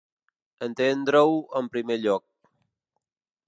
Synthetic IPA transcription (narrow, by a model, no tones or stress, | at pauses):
ənt̪end̪ɾəwəmpɾimeʎɔk̚